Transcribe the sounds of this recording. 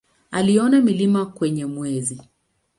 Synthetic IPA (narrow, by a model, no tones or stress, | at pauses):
aliɔnamilimakwɛɲɛmwɛzi